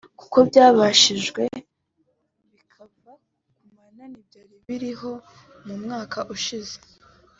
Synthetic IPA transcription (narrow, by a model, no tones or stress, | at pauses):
ku̥ko̞bɟaːβaʃiʒɡwe̞ | βikʰava | kumananibjaːɾiβiɾiɦo̞ | mumŋaːkʰaʔuʃize̥